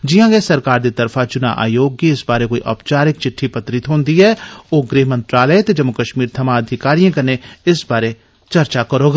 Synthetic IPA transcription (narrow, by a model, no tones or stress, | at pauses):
d͡ʒijãːɡesɐɾkaːɾd̪it̪ɐɾfʰat͡ʃʊna̰ʔa̰ːjoːɡːiɪsbaːɾekoːiʔɐ̰ːpt͡ʃaːɾɪk̚t͡ʃɪʈʰːipɐt̪ɾɪt̪ɦõːnd̪iɦɛːoːɡɾeːɦmə̃nt̪ɾaːlet̪ed͡ʒɐmːʊkəʃmiːɾt̪ʰɐmãɐd̪ʱɪkaːɾijãkɐɾneɪsbaːɾe | t͡ʃɐɾt͡ʃakɐɾoːɡa